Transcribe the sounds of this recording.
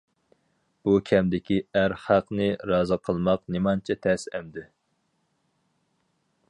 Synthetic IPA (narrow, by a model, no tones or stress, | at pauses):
b̥ukʲʰɛmd̪ɪkʲiæɾχæqnɨɾɑːzɨqʰəlˠmɑqnemɑnt͡ʃʰɛt̪ʰɛsɛmd̪ɪ